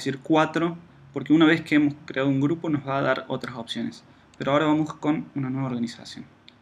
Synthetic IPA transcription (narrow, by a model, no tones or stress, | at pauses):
siɾkwat̪ɾo̞ | poɾkeunaβ̞e̞skeemo̞skɾeaðouŋɡɾupo̞nozβaːðaɾot̪ɾaso̞psjo̞nes | peɾoao̞ɾaβamo̞sko̞nunanwe̞βoɾɣanisa̰sjo̰n